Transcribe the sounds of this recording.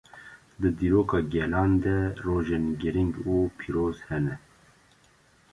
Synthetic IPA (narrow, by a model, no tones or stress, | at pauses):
d̪ɨd̪iːɾoːkɑːɡɛlɑːnd̪ɛroːʒenɡɨɾiŋɡuːpʰiːɾoːz̥hɛnɛ